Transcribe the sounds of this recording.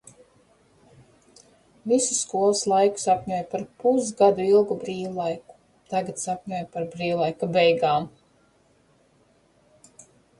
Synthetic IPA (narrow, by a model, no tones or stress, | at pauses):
visusːkuɔlˠɨslˠajku̥sapɲujpaɾpusɡad̪uilˠɡubɾiːwlˠajku̥ | t̪aɡat̪sapɲuɔjpaɾbɾiːwlˠajkabɛjɡaːm